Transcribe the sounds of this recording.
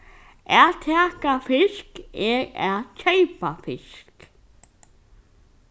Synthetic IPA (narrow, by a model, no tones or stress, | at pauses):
ɛðt̪ʰɛːkafɪskɛːɣɛ̰ðt͡ʃʰɛjpafɪsk